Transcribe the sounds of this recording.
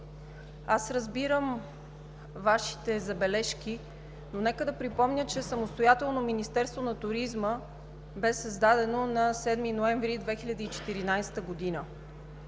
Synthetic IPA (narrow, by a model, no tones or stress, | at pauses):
asɾəzbiɾəm | vaʃi̥t̪ɛzɐbɛlɛʃki | nonɛkəd̪ɐpɾipɔmnʲət͡ʃɛsəmost̪ojat̪ɛlˠnominist̪ɛɾst̪vonɐt̪ʊɾizmə | bɛsəzd̪ad̪ɛnonɐsɛd̪minoɛ̃ɱvɾid̪vɛxilʲəd̪iːt͡ʃɛ̥t̪iɾinajsɛ̥t̪əɡod̪inə